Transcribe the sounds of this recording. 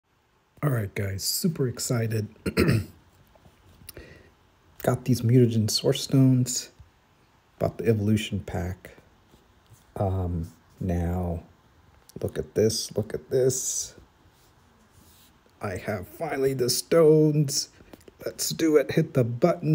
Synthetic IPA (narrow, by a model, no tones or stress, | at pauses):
ɑlˠɹaɪt̚ɡ̥aɪz̥sʉpə˞ɨksaɪɾɨd̚ | ɡ̥ɑt̪̚ðizmjʉɾɨd͡ʒɨ̃n̩sɔɹstõʊ̃nz̥ | b̥aʊt̪̚ðiɛvəlʉʃn̩pʰæk | ʔʌ̃m | naʊ | lʊkɨt̪̚ðɪslʊkɨt̪̚ðɪs | ʔaɪɨv̥fãɪ̃nlˠiðɨstõʊ̃nz̥lətsd̥ɨɪt̚hɪt̪̚ðəbʌʔn̩